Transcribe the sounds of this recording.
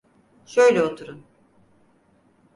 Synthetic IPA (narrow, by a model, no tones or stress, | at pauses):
ʃø̞jlʲɛot̪ʰuɾun